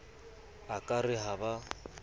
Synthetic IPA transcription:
akʼarɪɦaba

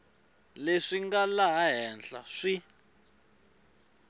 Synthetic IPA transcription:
leʂiŋɡalaɦaɦɛnɬaʂi

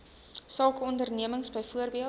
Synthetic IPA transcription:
sɑːkəɔndərniəməŋsbəjfuərbiə

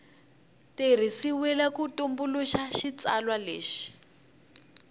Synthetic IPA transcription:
ter̤isiwɛlakutombuluʃaʃit͡salwaleːʃi̥

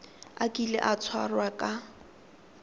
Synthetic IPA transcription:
akʼilɛ̰ʔat͡sʰwa̰rwakʼa

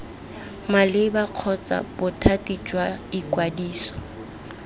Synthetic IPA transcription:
malɪbaq͡χʰɔt͡sʼa̰bʊtʰatʼit͡ʃʼwaikʼwadiːsɔ̥

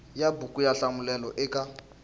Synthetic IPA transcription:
jabukʼujaɬamulɛlɔʔɪka

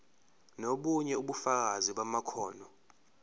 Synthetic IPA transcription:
noɓuɲɛuɓufak̬aziɓamakʰɔːnɔ

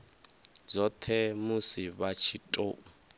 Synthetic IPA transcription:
d͡zɔt̪ʰɛmusiβat͡ʃʰitʼoː

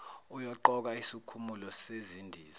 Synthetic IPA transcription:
ujɔǃɔk̬aisikʰumulɔsezindʱiːza

